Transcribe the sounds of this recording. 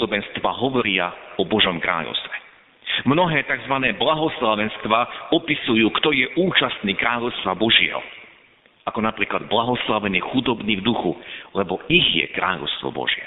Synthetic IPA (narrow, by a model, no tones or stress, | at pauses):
d̪ɔbɛnst̪ʋa̰ːɦɔʋɔɾɪaɔbɔʒɔmkɾa̰ːʎɔ̰ʊst̪ʋɛ | mnɔɦɛːt̪aɡzʋanɛːblaɦɔslaʋɛnst̪ʋaːɔpisujuːkt̪ɔjɛʔuːt͡ʃast̪niːkɾaːʎɔʊst̪ʋabɔʒɪɛ̰ɦɔ̰ | ʔakɔnapɾiːklad̪blaɦɔslaʋɛnixud̪ɔbniːvd̪uxulɛbɔiɣjɛ̰kɾa̰ːʎɔ̰ʊst̪ʋɔ̰bɔ̰ʒɪɛ̰